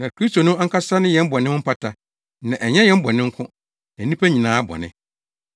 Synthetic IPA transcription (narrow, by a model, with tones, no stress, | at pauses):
nã˨kɾi˦sto˨nʊ̃˦a˦ŋ̩˦kʰa˦sa˦nɪ̃˦jɛ̃˦m̩˦bɔ˨nɪ̃˦hʊ̃˦m̩˦pʰa˦tʰa˦ | nã˨ʔɛ˨ɲɛ̃˦jɛ̃˦m̩˦bɔ˨nɪ̃˦ŋ̩˦kʰʊ̃˦ | nã˨˦ĩ˦pʰæ˦ɲĩ˨nãː˨˦bɔ̰˨nɪ̰̃˦